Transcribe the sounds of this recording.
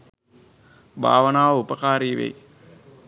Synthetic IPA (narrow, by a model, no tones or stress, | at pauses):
bʱa̰ːʋɐnaːupɐkaːɾiːʋḛj